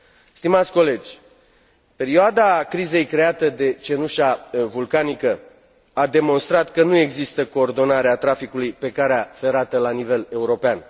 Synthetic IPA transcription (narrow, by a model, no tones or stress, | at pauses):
st̪imat̪sʲko̞le̞d͡ʒʲ | pe̞ɾioad̪akɾize̞jkɾe̞at̪əd̪e̞t͡ʃe̞nuʃavulkanikə | ad̪e̞mo̞nst̪ɾat̪kənue̞ɡzist̪əko̞ːrd̪o̞naɾeat̪ɾafikulujpe̞kaɾeafe̞ɾat̪əlanive̞le̞uɾo̞pean